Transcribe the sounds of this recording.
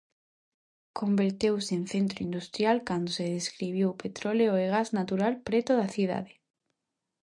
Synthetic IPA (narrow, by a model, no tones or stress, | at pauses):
kʰombeɾt̪ewseenθent̪ɾoind̪ust̪ɾjalkand̪oseðeskɾiβ̞jowpet̪ɾoleoeɣ̞aznat̪uɾalpɾet̪oðaθið̞a̰ðe